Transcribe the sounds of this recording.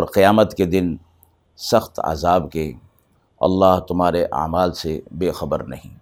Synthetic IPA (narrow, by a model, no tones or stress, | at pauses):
ɔːɾqɪjaːmət̪ked̪ɪn | sɐxt̪ɐ̰zaːbke | ɐ̰lːaːɦt̪ʊmaːɾeʔa̰ːmaːlsebeːxɐbəɾnɐɦḭ̃ː